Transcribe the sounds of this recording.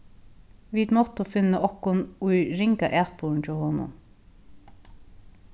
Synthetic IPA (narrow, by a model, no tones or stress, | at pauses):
ʋiːd̪mɔt̪əfɪnːəʔɔhkʊnʊjɾɪŋkaʔæːt̪̚pun̩t͡ʃɔhɔnʊ̰m